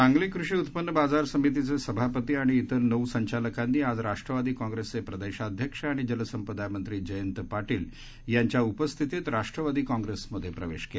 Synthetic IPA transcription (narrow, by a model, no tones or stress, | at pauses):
ãŋɡliːkɾuʂiːut̪pənːəbad͡zaɾsəmit̪̬it͡sesəbʱapət̪iːaɽ̃iːt̪əɾnəwsəɲt͡ɕaləkanːiːad͡zɾaʂʈɾəʋad̪iːkãŋɡɾesepɾəd̪eɕad̪ʱjəkʂaɽ̃id͡ʑələsəmpəd̪ajmənt̪ɾiːd͡ʑəjənt̪paʈiːl | jaɲt͡ɕjaupəst̪ʰit̪et̪ɾaʂʈɾəʋad̪iːkãŋɡɾesməd̪ʱːjepɾəʋḛɕkea